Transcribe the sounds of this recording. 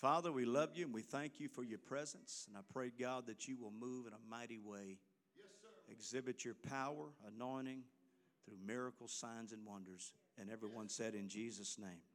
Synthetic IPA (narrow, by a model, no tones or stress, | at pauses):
fɑðə˞wilʌvjɨɨ̃nwiθæ̃ŋkʰjɨfə˞jə˞pʰɹ̥ɛzɨ̃nsɨ̃naɪpʰɹ̥eɪɡɑd̪̚ðɨt͡ʃɨwɪlˠmuvɨ̃nəmaɪɾiweɪ | ɨɡzɪbɨt͡ʃə˞pʰaʊə˞ənɔ̃ɪ̃ɾñɪ̃ŋ | θɹʉmɪɹɨkl̩ˠz̥sãɪ̃nzɨ̃nwʌ̃ndə˞z̥ | ɨ̃nɛvɹiwʌ̃nsɛɾɨ̃nd͡ʒizɨsnẽɪ̃m